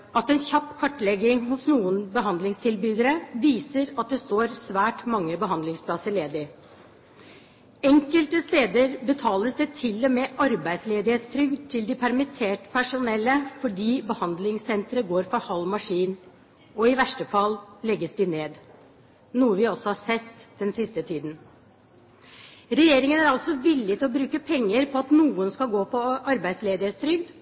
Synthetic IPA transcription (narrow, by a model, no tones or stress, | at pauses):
ɑt̪ːɛnçɑpːkʰɑʈːlɛɡɪŋhʊsnuːənbəɦɑnd̪lɪŋst̪ʰɪlbyːd̪əɾəʋiːsəɾɑt̪̚d̪ɛst̪oːɾsʋæːʈmɑŋːəbəɦɑnd̪lɪŋspʰlɑsəɭeːd̪ɪ | ɛŋkəlt̪əst̪eːd̪əɾbət̪ʰɑːləsd̪ɛt̪ʰɪlːɔmeːʔɑɾbæɪd̪sleːd̪ɪheːt̪st̪ʰɾʏɡt̪ʰɪld̪ɪpʰæɾmɪt̪ʰeːʈpʰæʂʊnɛlːəfɔɖiːbəhɑnd̪lɪŋsɛnt̪ɾəɡoːɾfɔɾhɑlːmɑʂiːn | ɔɪʋæʂʈəfɑllɛɡːəsd̪ɪneːd̪ | nuːəʋɪɔsɔhɑsɛt̪ːd̪ɛnsɪst̪ət̪ʰiːd̪n̩ | ɾɛjeːɾɪŋənæɾɑlsɔʋɪlːɪt̪ʰɪlɔbɾʉːkəpʰɛŋːəɾpʰɔɑt̪nuːənskɑlɡoːpʰɔʔɑɾbæɪsleːd̪ɪhet̪st̪ʰɾʏɡd̪